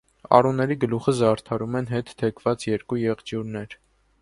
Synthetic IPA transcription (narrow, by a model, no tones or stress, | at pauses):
ɑ̰runːɛɾiɡəluχəzɑɾt̪ʰɑɾumɛn̪ɦɛt̪t̪ʰːɛkʰv̥ɑt͡sjɛɾkujɛʁd͡ʒjuɾnɛɾ